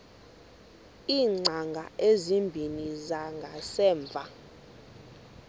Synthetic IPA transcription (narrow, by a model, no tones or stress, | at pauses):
iːŋ͡ǀʱaŋɡʱa̰ezimbʱinizaŋɡʱasɛːɱb̪vʱa